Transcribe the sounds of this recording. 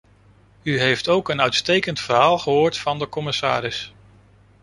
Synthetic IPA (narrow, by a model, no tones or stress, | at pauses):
yɦejftowkənœɥtstejkəntfərɦaːlˠχəɦoːɹtfɑndəkɔmɪsa̰ːɾɪs